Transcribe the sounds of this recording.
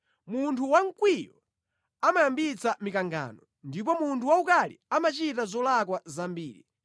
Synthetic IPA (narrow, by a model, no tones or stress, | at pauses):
muntʰuwaŋ̩kwijɔ | amajambit͡samikaŋɡa̰ːnɔ | ndip̬ɔmuntʰuwaukalḭamat͡ʃitazɔlakwazambiːɾi